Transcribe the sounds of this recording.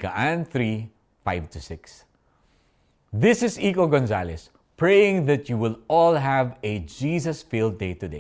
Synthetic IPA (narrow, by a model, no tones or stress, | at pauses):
kɐʔãnθɹi | faɪv̚t̪ʊsɪks | ðɪsɪsikoɡonzalɛs | pɹejɪ̃ŋðɐt̪juwɪlɔlɦævɛd͡ʒiːzɐsfilˠd̪̚deɪt̪ʊd̪ḛ